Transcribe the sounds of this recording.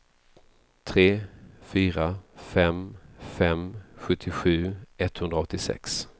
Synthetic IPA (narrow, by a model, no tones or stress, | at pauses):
t̪ʰɾeːfyːɾafɛmfɛmɧɵt̪ʰːɪɧʉ̟ːɛt̪ːhɵnd̪ɾaɔt̪ːɪsɛ̰ks